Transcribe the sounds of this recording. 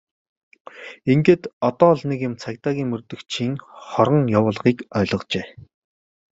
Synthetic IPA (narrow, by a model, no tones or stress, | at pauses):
iŋɡeːt̪ɔt̪ɔːɮnekĕmt͡sʰakt̪aːɣʲiːŋmɵrt̪ɵ̆kt͡ɕʰiːŋχɔɾɞ̆ŋjawʊːɮʁiːkœːɮʁɞ̆qt͡ɕeː